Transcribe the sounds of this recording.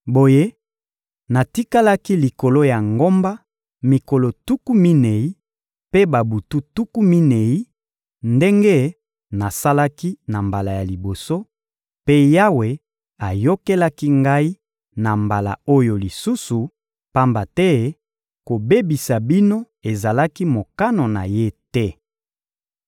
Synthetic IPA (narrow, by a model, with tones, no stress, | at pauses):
bo˨je˦ | na˨ti˦ka˦la˦ki˦li˨ko˨lo˦ja˨ŋɡo˦mba˦ | mi˨ko˨lo˨tu˦ku˦mi˦ne˨i˦ | pe˦ba˨bu˨tu˦tu˦ku˦mi˦ne˨i˦ | nde˦ŋɡe˦ | na˨sa˦la˦ki˦na˨mba˨la˨ja˨li˨bo˨so˦ | pe˦ja˦we˨ | a˨jo˦ke˦la˦ki˦ŋɡa˦i˦ | na˨mba˨la̰˨o˦jo˨li˨su˦su˨ | pa˦mba˨tɛ˦ | ko˨be˦bi˨sa˨bi˦no˦ | e˨za˨la˦ki˦mo˨ka˦no˨na̰˨je˦tɛ˦